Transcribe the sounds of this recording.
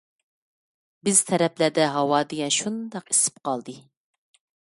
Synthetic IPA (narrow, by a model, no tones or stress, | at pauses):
bɪz̥t̪ʰɛɾɛplæd̪ɛɦɑwɑːd̪ɪɡʲɛnʃund̪ɑqi̥sɪ̥p̚qɑlˠd̪ɨ